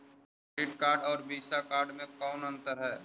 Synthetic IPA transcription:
ɾiːʈkaːɾɖɔːɾbiːsakaːɾɖmẽkɔːnɐ̃nt̪əɾɦɛː

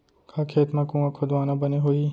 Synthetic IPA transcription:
kʰaːkʰeːt̪mãkũɐkʰod̪ʋaːnãbɐneɦoiː

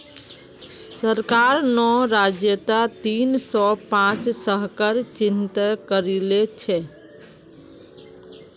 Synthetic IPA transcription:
səɾkaːɾnɔɾad͡ʒjət̪at̪iːnsɔpãːt͡ʃsəɦkəɾt͡ʃɪnt̪kəɾilet͡ʃʰe

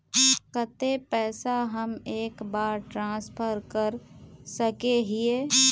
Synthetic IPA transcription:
kət̪epɛːsaɦəmeːkbaːɾʈɾãːspʰəɾkəɾsəkeɦɪeː

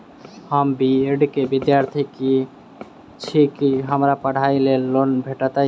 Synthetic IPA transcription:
həmbieɖkebid̪jaɾt̪ʰiki | t͡ʃʰikiɦəmɾapəɽ̤ajlelonbʱeʈat̪a

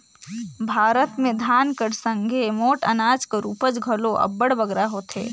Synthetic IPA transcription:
bʱaːɾət̪mẽd̪ʱaːnkəɽsə̃ŋɡʱemoːʈɐ̰naːd͡ʒkeɾuːpəd͡ʒɡʱɐloʔɐ̰bəɽbɐɡɾaɦoːt̪ʰḛː

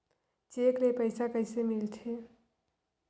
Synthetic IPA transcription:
t͡ʃeːklepəɪsakəɪsemɪlt̪ʰeː

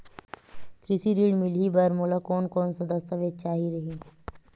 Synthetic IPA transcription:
k̪ɾɪsiɾiːɽmɪlibɐɾmoːlakɔːnkɔːnsad̪ɐst̪əʋeːd̪̚t͡ʃaːɦiɾɐɦiː

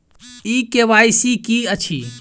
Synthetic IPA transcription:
ikeʋajsikiət͡ʃʰḭ

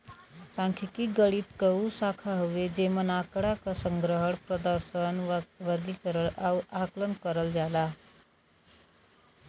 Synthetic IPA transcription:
sãŋkʰikiɡəɽit̪kəusakʰaɦoʋed͡ʒemənakɽakasəŋɡɾəɦəɽpɾəd̪əɾsənʋəɾlikəɾəlawaklənkəɾəld͡ʒala

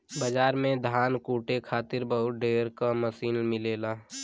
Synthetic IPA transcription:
bəd͡ʒaːɾmẽd̪ʱaːnkuːʈekʰaːt̪ɪɾbəɦʊt̪̚ɖeːɾkaməsiːnmɪleːlaː

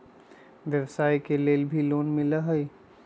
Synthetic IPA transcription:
ʋjəwsaːikeleːlbʱiloːnmɪlaɦəi

